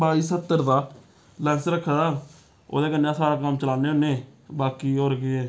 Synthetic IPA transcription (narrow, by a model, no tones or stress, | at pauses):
baːiːsət̪ːəɾd̪aː | lɛ̃ːnsɾəkʰːəɽaː | o̰ːd̪eːkənːãːsaːɾaːkəmt͡ʃəlaːneːoneːbaːkiːoːɾɡeɛː